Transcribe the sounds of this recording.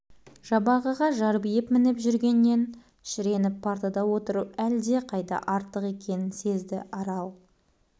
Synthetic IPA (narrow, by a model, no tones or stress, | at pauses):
ʒ̥ɑbɑʁəʁɑʒɑɾbijɪpmɪnɪpʒʏɾɡʲe̞nːe̞n | ʃɪɾe̞nɪpːʰaɾt̪ɑd̪ɑwo̞t̪əɾəp̚æld̪e̞qʰɑjt̪ɑ̰ʔɑɾt̪ːəqe̞kʲe̞nɪnse̞zd̪ɪ̰ʔɑɾɑlˠ